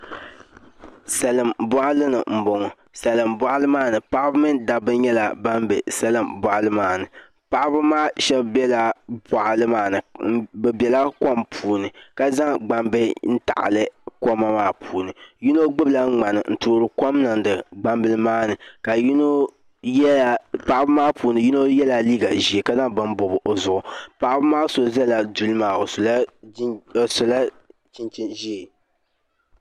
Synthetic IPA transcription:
sɛ˨lɨ˨mbɔ˦ʔa˦lɨ˦nɨ̰˨m̩˨bo˨ŋɔ˨ | sɛ˨lɨ˨mbɔ˦˨ʔa˦lɨ˦maː˦nɨ˨pa˦ʔbɨ˦mɨ˦nda˨bɨ˦ɲɛ˦la˨ba˦m˦bɛ˨sɛ˦lɨ˨mbɔ˨ʔa˨lɨ˦maː˦˨nɨ˨ | pa˨ʔa˦bɨ˦maː˦ʃɛ˦bbɛ˦la˨bɔ˨ʔa˨lɨ˦maː˦nɨ˨bɛ˨bɛ˨la˦ko˦˨mpʰuː˨nɨ˨ka˦za˦ŋɡ͡ba˨mbɛ˦n̩˦ta̰˨ʔa̰˨lɨ˦ko˦ma˦maː˦pʰuː˨nɨ˨ji˦no˦ɡ͡bɨ˦bla˦ŋ͡ma˨nɨ̰˨n̩˦˨toː˦ɾɨ˨kɔ˦mnɨ˨n˦dɨ˨ɡ͡ba˦mbɨ˦lɨ˦maː˦nɨ˨ka˨jno˦˨ | pa˨ʔa˦bɨ˦maː˦pʰuː˨nɨ˨ji˦no˦jɛ˦la˨liː˦ɡa˨ʒi˨e˨ka˦za˦ŋbɨ˨m˦bʊ˨bʔo˨zʊ˨ʔʊ˨pa˨ʔbɨ˦maː˦so˨za˦la˨du˨lɨ˦maː˨o˨sla˦˨ | sʊ˨la˦ | t͡ʃɪ˦nt͡ʃɪ˦ʒi˦e˨

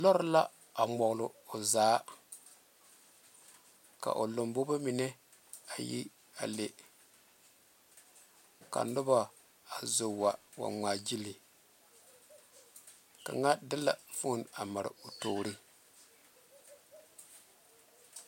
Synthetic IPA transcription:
lɔ˦ɾʊ˦la˦ | a˨ŋ͡mɔ˨ɣlʊ˨o˨zaː˨˦ | ka̰˨ʔo˨lo˨mbo˦ba˦mi˨nɛ˦ | a˨jḭ˦ | a̰˨le˨ | ka̰˨nʊ˦ba˦ | a˨zo˨wa˨wa̰˨ŋ͡maː˨d͡ʒi˦li˨ | ka˨ŋa˦dɪ˦la˨fu˦na˨ma˨ɾɪ̰˨o˨toː˨ɾi˦

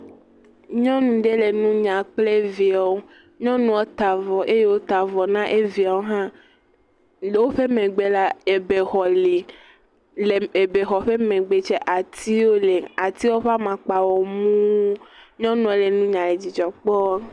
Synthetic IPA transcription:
ɲɔ̃˦nũ˨ɖe˦le˨nũ˦ɲã˨k͡ple˦vi˨a˨wo˦ | ɲɔ̃˦nũ˨o˦t̪a˨vɔ˨ʔe˦je˦wo˦t̪a˨vɔ˨nã˦ʔe˦vi˨a˨wo˦ɦã˦˨˦ | wo˦ɸe˦mẽ˨ɡ͡be˦la˦e˨be˨xɔ˨li˨ | le˨e˨be˨xɔ˨ɸe˦mẽ˨ɡ͡be˨t͡ʃe˦ʔa˨t̪i˦wo˦le˨a˨t̪i˦wo˦ɸa˦mã˨k͡pa˨wɔ˨mũ˦ɲɔ̃˦nũ˨e˦le˨nũ˦ɲã˨le˨d͡ʑi˨d͡ʒɔ˨k͡pɔ˦

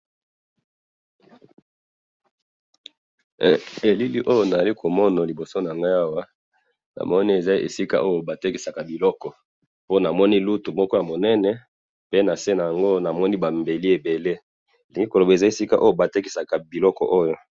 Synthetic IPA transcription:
e˨li˦li˦ʔo˦jo˦na˨a˨li˦kʰo˨mɔ˦na˨li˨bo˨so˦na˨a˨ŋɡa˦a˦wa˦ | na̰˨mɔ˦ni˦e˨za˦ḛ˨si˦ka̰˦ʔo˦jo˨ba˨te˦ki˨sa˨ka˨bi˨lɔ˦kɔ˨ | po˦na˨mɔ˦ni˦lu˦tu˨mɔ˦kɔ˦ja˨mo˨nɛ˦nɛ˨ | pe˦na˨se˦na˨ja˨ŋɡo˦na˨mɔ˦ni˦ba˨mbe˨li˦e˨be˨le˦˨ | li˨ŋɡi˦ko˨lo˨ba˨e˨za˦e˨si˦ka˦ʔo˦jo˦ba˨te˦ki˨sa˨ka˨bi˨lɔ˦kɔ˨ʔo˦jo˦

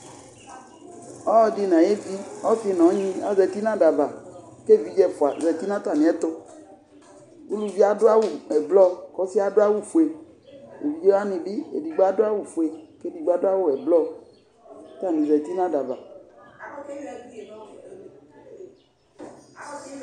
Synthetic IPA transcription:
ɔ˦di˨nã˨je˦vi˦ɔ˦fi˨nɔ̃˨˦ɲĩ˦a̰˨zɛ˨t̪i˦nã˦ɖa˨va˨ | ke˦˨vi˨d͡ʒɛ˦fo˨a˨zɛ˨t̪i˦nã˦t̪a˦˨nĩ˨ɛ˦t̪o˦ | wu˦lu˦vi˦a˨do˦a˦wu˦ɛ˨blɔ˦kɔ˦si˦a˦do˦a˦wu˦fu˨e˨ | ḛ˨vi˨d͡ʒe˦wa˦nĩ˨bi˦ḛ˨di˨ɡ͡ba˦do˦a˦wu˦fu˨e˨ke˦di˨ɡ͡ba˦do˦a˦wo˦˨ɛ˨blɔ˦ | t̪a˦˨nĩ˨zɛ˨t̪i˦nã˦da˨va̰˨

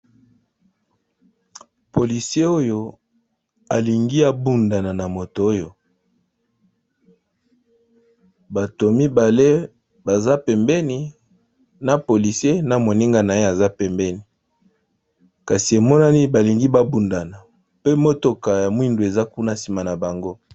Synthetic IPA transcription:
po˨li˨si˦e˦o˦jo˦ | a˨li˨ŋɡi˦a˨bu˦nda˨na˨na˨mo˨to˨o˦jo˨ | ba˨to˨mi˦ba˨le˦ | ba˨za˦pɛ˨mbɛ˦ni˨ | na˨po˨li˨sje˦na˨mo˨ni˦ŋɡa˦na˨e˦a˨za˦pɛ˨mbɛ˦ni˨ | ka˨si˨e˨mɔ˦na˦ni˦ba˨li˨ŋɡi˦ba˦bu˨nda˨na˨ | pe˦mo˦to˨ka˨ja˨mwi˦ndo˨e˨za˦ku˦na˦si˨ma˨na˨ba˨ŋɡo˦

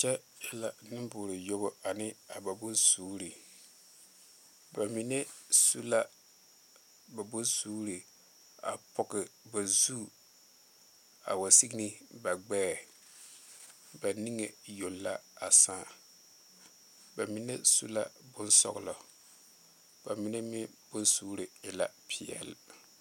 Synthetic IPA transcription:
t͡ʃɛ˦ | jɛ˦la˨nɨ˦mbʊː˨ɾɨ˨jo˦bo˦a˨nɪ˦a˨ba˨bʊ˦nsuː˦ɾi˨ | ba˨mi˨nɛ˦su˦la˦ | ba˨bʊ˦nsuː˦ɾi˨ | a̰˨pɔ˨kɪ˨ba˨zu˦˨ | a̰˨wa˨si˦ɡni˦ba˨ɡ͡bɛː˦˨ | ba˨ni˦ŋe˨jo˨lːa˦a˨sãː˦˨ | ba˨mi˨nɛ˦sṵ˦la˦bʊ˦nsɔ̰˦ɣlɔ˨ | ba˨mi˨nɛ˦mɪ˦ | b̥ʊ˦nsuː˦ɾi˨ɪ˨la˦pʰi˨ɛ̰˨l

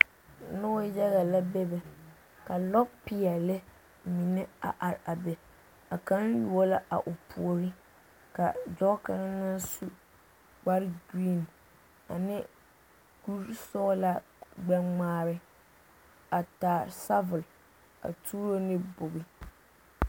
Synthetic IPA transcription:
nʊ˦jɛ˦ɣa˨la˦bɛ˦bɛ˨ | ka˨lɔ˦pɪ˨a˨lɪ˦ | mi˨nɪ˦a̰˨ʔa˨ɾa˨bɛ˨ | a˨ka˦nju˨ɔ˦la˦ʔa̰˨ʔʊ˨pʰu˨o˨ɾɪ˦ | ka˨dɔ˦ka˦ɾa˦na˦nsu˦ | ɡ͡ba˦ɾɡɾiː˦˨n | a̰˨nɪ˦ | ɡ̥u˦ɾsɔː˦la˦ | ɡ͡bɛ˦ŋ͡maː˦bɪ˦ | a˨taː˨sa˦vʊ˨l | a̰˨tʰuː˦ɾo˦nɪ˦bʊ˨ɣɪ˦

